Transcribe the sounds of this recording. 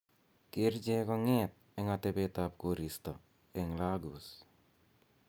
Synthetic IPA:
keɾd͡ʒekɔŋet̪̚eŋat̪ebet̪ap̚koɾist̪a | eŋlaɡus

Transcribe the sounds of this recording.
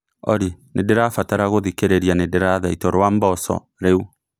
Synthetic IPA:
ɔɾinʔedeɾafataɾaɣoðikeɾeɾjanedeɾaðaitɔɾwambɔsɔ̰ | ɾeu

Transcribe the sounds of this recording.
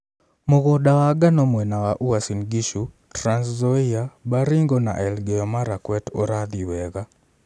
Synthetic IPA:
moɣɔdawaɡanɔmwɛnawaʔuwasinɡiʃu | tɾanszɔiabaɾiŋɡɔna̰ʔɛlɡɛɔmaɾakwɛtɔɾad̪iwɛɣa

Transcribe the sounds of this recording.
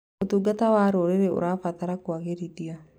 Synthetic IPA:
ot̪uɡat̪awaːɾoɾeɾeo̰ɾafat̪aɾakwaɣeɾit̪ia

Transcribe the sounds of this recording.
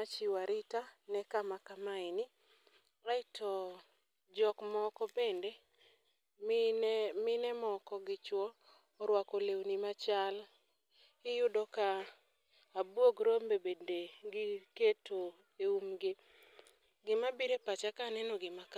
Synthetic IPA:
at͡ʃiwaɾɪtanɛkamakamaɪnɪ | ɾaɪtʰɔ | d͡ʒɔkmɔkɔbende | mɪnɛmɔkɔɡɪt͡ʃwɔː | ɾwakɔlewnimat͡ʃal | ɪjʊdɔkaː | bwoɡɾombebendeɡɪketo | eumɡɪ | ɡɪmabiɾepat͡ʃakanɛnɔɡɪmak

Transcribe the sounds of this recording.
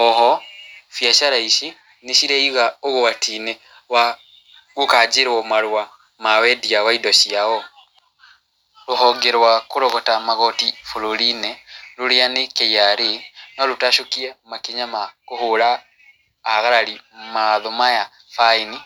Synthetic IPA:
ɔɦɔfjaʃaɾaiʃi | neʃiɾɛiɣaoɣowatinɛ | wa | ɣukad͡ʒeɾwɔmaɾwa | mawɛdiawaidɔʃiaɣɔ | loɦɔɡeɾwakoɾoɣɔtamaɣɔtifoloɾinɛluɾeanekejaɾenɔlutaʃokiɛmakiɲamakohoɾaː | ɣaɾaɾimaðɔmaja | faini

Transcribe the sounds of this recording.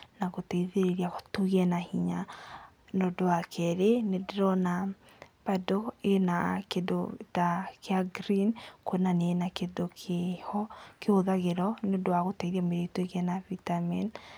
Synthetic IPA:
naɣotɛiðeɾeɾiaɣotoɣiɛnahiɲa | nodoakʰɛɾenedeɾɔna | padoenakedotakeaɡɾinkonanenakedokʰɔkehoðaɣeɾɔneodoaɣotɛiðiameɾetoeɣɛnavitamin

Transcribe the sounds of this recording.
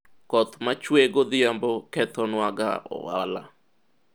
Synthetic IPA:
kɔt̪mat͡ʃweɡod̪ɪambɔkɛt̪ɔnwaɡa̰ɔ̰wala̰

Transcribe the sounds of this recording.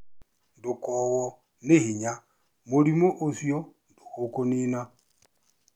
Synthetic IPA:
ndʊkɔwɔ | neɦiɲa | moɾimoʔosjondohokonina

